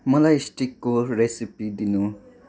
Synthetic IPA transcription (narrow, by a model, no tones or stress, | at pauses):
mɔlajsʈikkːoɾesipid̪inu